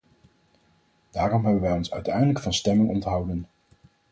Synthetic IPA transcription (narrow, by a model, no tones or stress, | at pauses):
d̥aːrɔmɦɛbənʋɛjɔnsœɥtɛjdələkfɑnstɛmɪŋɔntɦɑwdən